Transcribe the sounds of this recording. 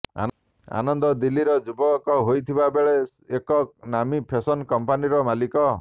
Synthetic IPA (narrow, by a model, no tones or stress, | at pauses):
a̰n | a̰nɔnd̪ɔd̪ilːiɾɔd͡ʒubɔkɔɦojt̪ʰibabeɭe | ekɔnamipʰesɔnkɔmpaniɾɔmalikɔ